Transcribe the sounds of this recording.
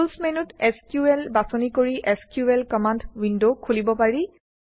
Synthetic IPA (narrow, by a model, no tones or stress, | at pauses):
lsmenuteskjuɛlbasɔnikoɹiʔeskjuɛlkɔmandwindokʰulibɔpaɹi